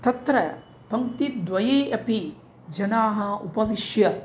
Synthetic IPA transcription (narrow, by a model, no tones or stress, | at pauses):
t̪ɐt̪ɾɐ | pɐŋt̪it̪d̪ʋɐjeːʔɐpi | d͡ʒɐnaːɦɐupɐʋiʃjɐ